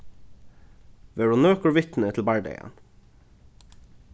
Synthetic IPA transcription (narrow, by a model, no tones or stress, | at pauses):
ʋeːɖuːnøːkəʋɪt̪n̩ət̪ʰl̩bæɹɖḛɪə̰n